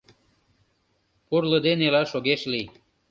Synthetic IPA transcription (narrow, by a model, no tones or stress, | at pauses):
purləd̪enelɑʃoɣeʃli